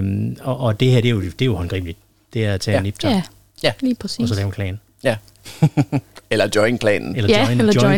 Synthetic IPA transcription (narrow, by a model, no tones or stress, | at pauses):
mɒ̽ʔɒ̽d̥e̝ɦeɐd̥e̝jod̥e̝johɒ̽nɡ̥ʁḭːb̥lid̥ | d̥e̝æɐt͡sʰɛ̰ːnːib̥t͡sʰɑ | æliːpʰʁɛsiɒ̽sɒlɛːʊənkʰlɛ̰ːn | æ | elɐd̥jɒɪnkʰlɛ̰ːnn̩elɐ̥ɪnlɐɒ